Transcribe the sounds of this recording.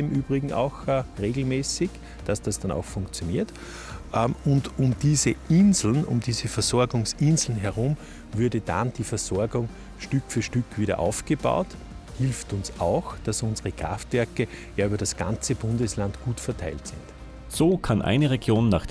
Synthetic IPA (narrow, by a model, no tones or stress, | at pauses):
ɪmʔyːbʁɪɡŋ̩a̰ʊxʁeːɡl̩mɛːsɪç | d̥asd̥asd̥ana̰ʊxfʊ̃ŋkt͡sjoniːɐt | ʔəʊndʔʊmd̥iːzəʔɪnzl̩nʊ̰mdiːzəfɛɐzɔɐɡʊŋsɪnzl̩n̩ɦɛɐʁʊ̃m | vʏɐdəd̥ã̰nd̥iːfɛɐzɔɐɡʊŋ | ʃtʏkfyːɐʃtʏkv̥iːɾɐ̰ʔa̰ʊfɡ̥əba̰ʊt | hɪlftʊnsaʊxd̥asʊnzəʁəkʁ̥a̰ftv̥ɛɐkəjaːyːbɐdasɡ̥ã̰nt͡səb̥ʊ̃ndəslantɡ̥uːtfɛɐtʰaɪltsɪ̰̃nt | z̥oːkʰanʔa̰ɪnəʁeɡjoːnːa̰ːχ